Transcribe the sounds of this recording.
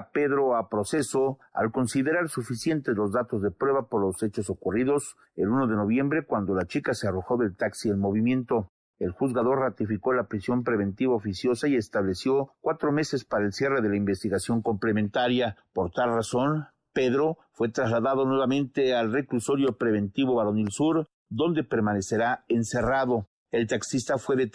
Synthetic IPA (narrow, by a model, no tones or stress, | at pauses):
pe̞ðɾo̞apɾo̞se̞soa̰lko̞nsiðe̞ɾaɾsufisje̞nt̪e̞zlo̞zðat̪ozðe̞pɾwe̞βapo̞ɾlo̞se̞t͡ʃo̞sokuriðo̞s | e̞luno̞ðe̞no̞βje̞mbɾe̞kwand̪o̞lat͡ʃikase̞aro̞xo̞ðe̞lt̪aksiðelmo̞β̞imje̞nt̪o̞ | elxuzɣaðo̞ɾrat̪ifiko̞lapɾisjo̞mpɾe̞βe̞nt̪iβaofisjo̞saie̞st̪aβle̞sjo̞kwat̪ɾo̞me̞se̞spaɾaelsje̞re̞ðe̞laimbe̞st̪iɣasjo̞ŋko̞mplemẽnt̪aɾjapo̞ɾt̪alraso̞n | pe̞ðɾo̞ | fwe̞t̪ɾazlaðaðo̞nwe̞βamẽ̞nt̪e̞alre̞kluso̞ɾjo̞pɾe̞β̞e̞nt̪iβo̞βaɾonilsuɾ | d̪o̞nd̪e̞pe̞ɾmane̞se̞ɾaense̞raðo̞ | e̞lt̪aksist̪afwe̞ðe